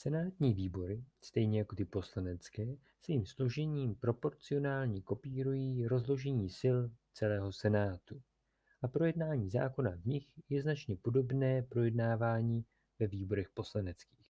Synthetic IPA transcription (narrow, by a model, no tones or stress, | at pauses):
sɛnaːt̪ɲiːviːbo̞ɾɪst̪ɛjɲɛjako̞t̪ɪpo̞slanɛt͡skɛː | sviːmslo̞ʒɛɲiːmpɾo̞po̞ɾt͡sɪo̞naːlɲiko̞piːɾujiːɾo̞zlo̞ʒɛɲiːsɪlt͡sɛlɛːɦo̞sɛnaːt̪u | ʔapɾo̞jɛdnaːɲiːza̰ːko̞navɲɪxjɛznat͡ʃɲɛpo̞do̞bnɛːpɾo̞jɛdnaːvaːɲiː | vɛviːbo̞ɾɛxpo̞slanɛt͡ski̥ːx